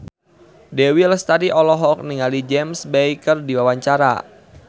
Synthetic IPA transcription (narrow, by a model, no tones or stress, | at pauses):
dɛwiləst̪adiʔɔlɔɦɔk̚niŋalid͡ʒɛmsbɛjkərdiwawaɲt͡ʃaɾa̰